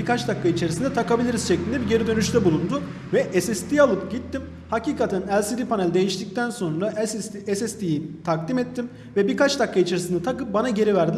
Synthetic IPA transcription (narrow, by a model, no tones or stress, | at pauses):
bikʰat͡ʃd̪akʰːait͡ʃʰeɾisind̪ɛt̪ʰakabilʲiɾiz̥ʃɛclʲind̪ɛbiɟe̞ɾid̪ø̞nyʃt̪ʰɛbulˠund̪ʊ | vɛʔɛsɛst̪ʰijalˠɯpɟit̪ːim | haciːkat̪ʰænælʲsid̪ipʰanælʲd̪e̞jiʃt̪ic̚t̪ʰænso̞nɾaʔsɛsɛst̪ʰijit̪ʰakd̪imɛt̪ʰːim | vɛbikʰat͡ʃd̪akːait͡ʃʰeɾisinat̪ʰakɯp̚banaɟe̞ɾivæɾd̪ilʲ